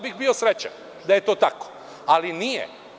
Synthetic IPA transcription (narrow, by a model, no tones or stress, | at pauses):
biɣbiosɾet͡ɕa̰ | d̪aje̞t̪o̞ːt̪ako̥ | alinijḛ